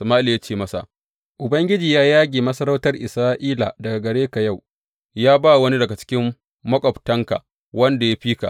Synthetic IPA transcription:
sɐ˨maː˦li˨ja˦t͡ʃeː˦˨mɐ˦sa̰˨ | ʔʊ˨bɐ˦ŋɡʲɪ˦d͡ʒiː˨jaː˦jaː˦ɡʲeː˨mɐ˦sɐ˦ɾa˦wtɐ˦rʔɪ˨saː˦ʔiː˦la̰˨dɐ˨ɡa˨ɡɐ˨ɽeː˦ka˨ja˦˨w | jaː˦ba˦˨wɐ˦ni˦dɐ˨ɡa˨t͡ʃɪ̥˦kʲɪ˦mː | ɐ˦kʷʼɔ˨ptɐ˦ŋka̰˨ | wɐ˦nda˨ja˦ɸiː˦ka̰˨

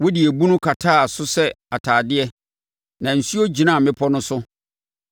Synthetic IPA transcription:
wo˦di˨æ˨bu˦nʊ̃˦kʰa˨tʰaː˦˨sʊ˦sɛ˦ | a˨tʰaː˨dɪ˦ɛ˦ | nã˨n̩˨su˦o˦d͡ʑi˨nã˦˨mɪ̃˦pʰɔ˦nʊ̃˦sʊ˦

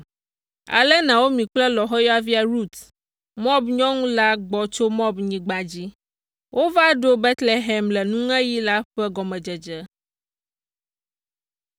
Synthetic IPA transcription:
a̰˨lɛ˦nã˨wo˦mĩ˨k͡plɛ˦lɔ˨ɦɔ˦jɔ˦a˦vi˦a˨ɾu˦˨t̪ | mɔ˦bɲɔ̃˦ŋũ˦la˦ɡ͡bɔ˨t͡ʃo˦mɔ˦bɲĩ˨ɡ͡ba˨d͡ʑi˦ | wʔo˦va˦ɖo˦bɛ˦t̪le˨ɦɛ˨mlɛ˨nũ˦ŋɛ̃˦ji˦la˦ɸɛ˦ɡɔ˨mɛ̃˨d͡ʒɛ˨d͡ʒɛ˦

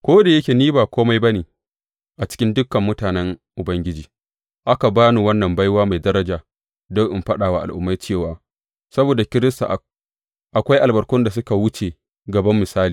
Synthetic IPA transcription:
kʷoː˦da˨jɐ˦kʲe˨niː˦baː˨kʷoː˦ma˦jbɐ˦neː˨ | ʔa˨t͡ʃɪ̥˦kʲɪ˦ndʊ˦kːɐ˨mːʊ˦taː˨nɛ˦ŋʔʊ˨bɐ˦ŋɡʲɪ˦d͡ʒiː˨ | ʔa˦ka˨baː˦nu˨wɐ˦nːɐ˨mba˦jwaː˦ma˨jdɐ˦ɾɐ˦d͡ʒaː˨ | dɔ˦ŋʔɪ˨mɸɐ˦ɗaː˨wa˨ʔa̰˨lʔʊ̰˦mːa˦jt͡ʃeː˦˨waː˨ | sɐ˦boː˨da˨kʲɪ˦ɾɪ˦sta̰˨ʔ | ʔa˨kʷa˦jʔa˨lbɐ˨ɾkʊ˦nda˨s̬ʊ˦ka˨wʊ˦t͡ʃe˨ | ɡɐ˨bɐ˦mːɪ˨saː˦liː˨

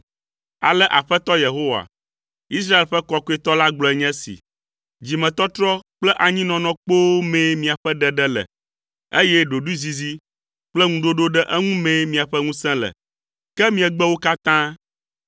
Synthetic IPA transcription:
a̰˨lɛ˦ʔa̰˨ɸɛ˦t̪ɔ˦je˨ɦo˦wa̰˨ | i˦s̬ɾa˦e˨lɸɛ˦kɔ˦ko˦e˦t̪ɔ˦la˦ɡ͡blɔ˨ɛ˨ɲɛ̃˦sḭ˨ | d͡ʑi˨mɛ̃˨t̪ɔ˦t̪ɾɔ˦k͡plɛ˦ʔa˨ɲĩ˦nɔ̃˨nɔ̃˦k͡po˦mɛ̃˦mĩ˨a˨ɸɛ˦ɖɛ˦ɖɛ˦lɛ̰˨ | e˦jɛ˦ɖo˨ɖu˦zi˨zi˦ | k͡plɛ˦ŋũ˨ɖo˦ɖo˦ɖɛ˦ʔɛ˦ŋũ˦mɛ̃˦mĩ˨a˨ɸɛ˦ŋũ˦sɛ̃˦lɛ̰˨ | kɛ˦mĩ˦ɛ˨ɡ͡bɛ˦wo˦ka˦t̪ã˦

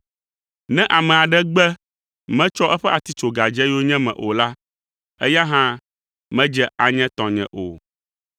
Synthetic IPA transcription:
nɛ̃˦ʔa˨mɛ̃˨a˨ɖɛ˦ɡ͡bɛ˦ | mɛ̃˦t͡ʃɔ˦ʔɛ˦ɸɛ˦ʔa˨t̪i˦t͡ʃo˨ɡa˨d͡ʒɛ˦o˦ɲɛ̃˦mɛ̰̃˨ʔo˨la˦ | ɛ˦ja˦ɦã˦ | mɛ̃˦d͡ʒɛ˦a˨ɲɛ̃˦t̪ɔ̃˨ɲɛ̰̃˨ʔo̰˨

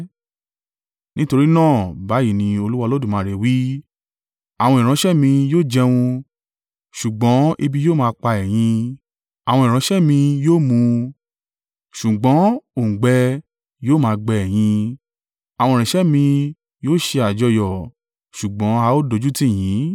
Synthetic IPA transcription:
nĩ˦to˧ɾi˦nãː˦˨ba˨˦ji˦˨nĩ˧o˧lu˦wa˧lo˦dũ˦˨mãː˨˧˦ɾe˨wi˦ | a˨w̃ɔ̃˧i˨ɾ̃ã˧˦ʃɛ˦mĩ˧joː˦˨d͡ʒɛ˧w̃ũ˧ | ʃu˨ɡ͡bɔ̃˨˦i˧bi˧joː˦˨mãː˧k͡pa˧ɛ˨j̃ĩ˧ | a˨w̃ɔ̃˧i˨ɾ̃ã˨˧˦ʃɛ˦mĩ˧joː˦˨mũ˧ | ʃu˨ɡ͡bɔ̃˨˦o˨ŋ̩˨ɡ͡bɛ˧˦ | joː˦˨mãː˧ɡ͡bɛ˧ɛ˨j̃ĩ˧ | a˨wɔ̃˧˨ĩ˨ʃɛ˦mĩ˧ | joː˦˨ʃe˧a˨d͡ʒɔ˧jɔ˨ | ʃu˨ɡ͡bɔ̃˨˦a˧˦o˦do˧˦d͡ʒu˦tĩ˦˨j̃ĩ˨˦

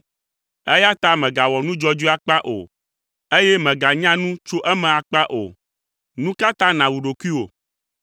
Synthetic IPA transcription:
ɛ˦ja˦t̪a˦mɛ̃˨ɡa˨wɔ˨nũ˦d͡ʒɔ˦d͡ʒu˦a˦k͡pa˦ʔo̰˨ | e˦jɛ˦mɛ̃˨ɡa˨ɲã˦nũ˦t͡ʃo˦ʔɛ˦mɛ̃˨a˨k͡pa˦ʔo̰˨ | nũ˦ka˦t̪ã˦nã˨wu˨ɖo˨ku˦i˦wo̰˨

